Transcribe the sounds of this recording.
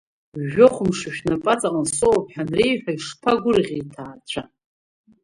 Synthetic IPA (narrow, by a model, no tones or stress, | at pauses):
ʒoχʷʊmʂɨʃᶣnapʼat͡sʼaqʼənsoopʼħanrejħʷᶣaiʂpʰaɡʷʊrʁʲejtʰaːt͡ɕʷʰa